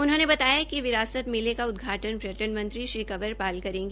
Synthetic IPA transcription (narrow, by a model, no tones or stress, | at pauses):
ʊnɦõːnebɐt̪aːjakiʋɪɾaːsət̪mɪlekaʊd̪ɡʱaːʈənpɾɐʈənmɐ̃nt̪ɾiʃɾiːkɐbəɾpaːlkɐɾẽːŋɡe